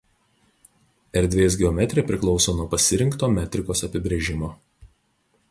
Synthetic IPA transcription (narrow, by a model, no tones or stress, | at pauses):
ɛɾʲd̪ʲʋʲeːs̬ɡʲɛɔmʲɛt̪ʲɾʲepʲɾʲɪklˠɒʊsoːnuɔpɐsʲɪɾʲɪŋkt̪oːmʲæːt̪ʲɾʲɪkoːsɐpʲɪbʲɾʲeːʒʲɪmoː